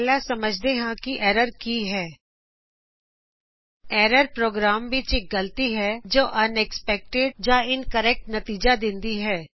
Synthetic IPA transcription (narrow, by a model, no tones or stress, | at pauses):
lasɐməd͡ʒʱd̪eɦãkiʔɛːɾəɾkiɦɛː | ɛːɾəɾpɾoːɡɾaːmʋɪt͡ʃɪk̚ɡɐlt̪iɦɛd͡ʒoːʔɐnɛkspɛk̚ʈeɖd͡ʒaɪnkəɾɛk̚ʈnɐt̪iːd͡ʒad̪ɪ̃nd̪iɦɛː